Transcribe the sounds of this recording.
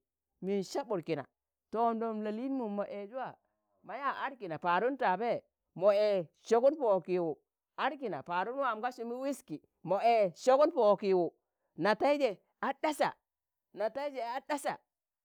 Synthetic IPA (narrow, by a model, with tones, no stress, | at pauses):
mi˨nʃa˦bu˨ɾki˨na̰˨ | to˨ndo˨mla˨li˦n˦mu˨mo˨ʔe˨d͡ʒu˦a˦˨ | ma˨ja˦a˦ɾki˨na˨pa˨ɾu˦nta˨be˦ | mo˨e˨ʃo˨ku˦npo˨ki˨wu˨ | a˦ɾki˨na̰˨pa˨ɾu˦nmu˦a˨mka˦ʃu˦mi˦wi˦ski˨ | mo˨e˨ʃo˦ku˦npo˨ki˨wu˨ | na˨ta˦i˦d͡ʒe˨ | a˨da˦sa̰˨ | na˨ta˦i˦d͡ʒe˨a˦da˦sa̰˨